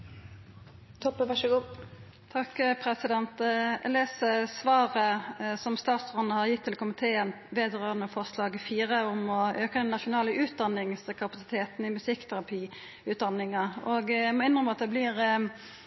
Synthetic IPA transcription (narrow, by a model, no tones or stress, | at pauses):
t̪ʰɔpːəʋɑʂəɡuː | t̪ʰɑkpʰɾɛsɪd̪ɛnt̪leːsəsʋɑːʁəsɔmst̪ɑːt̪sʁɔnəhɑʁjɪt̪ʰːɪlkʰʊmɪt̪ʰeːən | ʋeːd̪ʁøːʁənəfɔʁslɑːɡfiːɾəʊmɔøːkəd̪ɛnːɑʃʊnɑːləʔʉːt̪̚d̪ɑnːɪŋsəkʰɑpɑsɪ̥t̪ʰeːt̪nɪmʉsɪkːt̪ʰæʁɑpʰiː | ʉːt̪̚d̪ɑnːɪŋɑoɡmɔɪnʁəmɑt̪̚d̪ɛblɪʁ